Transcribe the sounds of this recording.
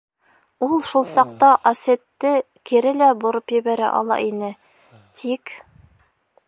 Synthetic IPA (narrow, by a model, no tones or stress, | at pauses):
ulˠʃulˠsɑqt̪ɑʔɐset̪ːɘ | kiɾɘlæbŏɾopjɘ̆βæɾæ̰ʔɑ̰lˠɑ̰ʔinɘ | t̪ʰik